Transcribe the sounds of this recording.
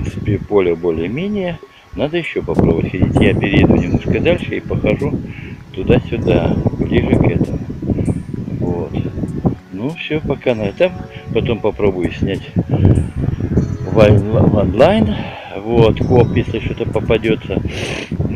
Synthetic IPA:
ɾnt̪sɨ̥pʲɪpo̞lʲəbo̞lʲɪjəmʲenʲɪjə | nad̪əjɪɕːo̞pɐpɾobəvətʲxɐdʲitʲjapʲɪɾʲɪjɪd̪ʊnʲɪmnoʂkəd̪alʲʂɨipəxɐʐut̪ʊd̪asʲʊd̪ablʲiʐɨkɛt̪əmʊ | vot̪ | nufsʲopɐkanad̪t̪ampɐt̪o̞mpɐpɾo̞bʊjʊsʲnʲætʲ | vaɐnlˠajn | vot̪kopjesʲlʲɪʂot̪əpəpɐdʲo̞t̪sə

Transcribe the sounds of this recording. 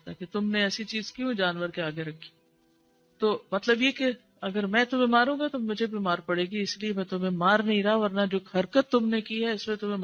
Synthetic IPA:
t̪a̰ːket̪ʊmneɛːsit͡ʃiːzkiɦũd͡ʒaːnʋəɾkeaːɡeɾɐkʰːi̥ː | t̪oːmɐt̪ləbjeke | ɐɡəɾmɛ̃ːt̪ʊm̤ẽmaːɾũːɡat̪omʊd͡ʒʱebʱimaːɾpɐɽeːɡiɪsliemɛ̃ːt̪ʊmẽmaːɾnɐɦĩɾɐaɦaɔːɾnad͡ʒoːhɐɾkət̪ːʊmnekiɦɛɪsmẽt̪ʊmẽm

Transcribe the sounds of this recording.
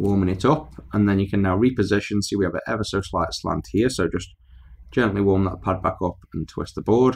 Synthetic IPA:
wɔːmɪ̃ŋɪtʌpə̃nðə̃njəkʰə̃nːaʊɹipəzɪʃə̃nsiwiəvɪtɛ̰vəsoʊslaɪtə̥slã̰nd̥hiəsoʊd͡ʒʌs | d̥ʒ̥ɛ̃nʔliwɔːmðə̰ʔpʰad̚bakʌpə̃ntʰw̥ɪ̰st̪ðəbɔːɹd̥

